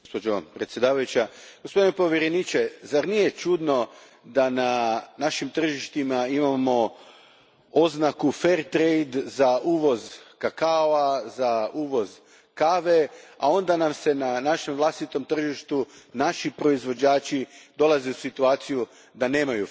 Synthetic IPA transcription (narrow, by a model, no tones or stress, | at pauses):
ospod͡ʒopɾet̪sje̞d̪aːʋajut͡ʃaɡ̥ospo̞d̪inepo̞ʋjeɾenit͡ʃezaɾnije̞t͡ʃud̪no̞ | d̪ananaʃimt̪r̩ʒiʃt̪imaimamo̞ | o̞znakufe̞ɾt̪ɾejd̪zauːʋo̞zkakaoazauːʋo̞z | kaʋe̞a̰o̞nd̪anamse̞nanaʃe̞mʋlˠast̪it̪o̞mt̪r̩ʒiʃt̪unaʃipɾo̞izʋo̞d͡ʒaːt͡ʃid̪o̞lˠaze̞usit̪uaːt̪siju | d̪ane̞ːmaju